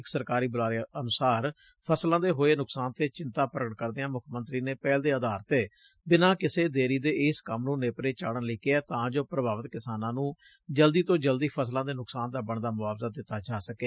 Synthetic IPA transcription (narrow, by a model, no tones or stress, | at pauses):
ɪksəɾkaːɾiːbəlaːɾeənʊsaːɾ | pʰəslãːd̪eːɦoːeːnʊksaːnt̪eːt͡ʃɪnt̪ãːpɾəɡəʈ̚kəɾd̪eãːmʊkʰmə̃nt̪ɾiːneːpɛːld̪eːəd̪aːɾt̪eː | bɪnãːkɪseːd̪eːɾiːd̪eːɪskəmnũːneːpɾeːt͡ʃa̰ːɽənlɪkeɛːt̪ãːd͡ʒoːpɾəbaːʋət̪kɪsaːnãːnũː | d͡ʒəld̪iːt̪õːd͡ʒəld̪iːpʰəslãːd̪eːnʊksaːnd̪aːbəɳd̪aːmʊaːʋzad̪ɪt̪ːaːd͡ʒaːsəkeː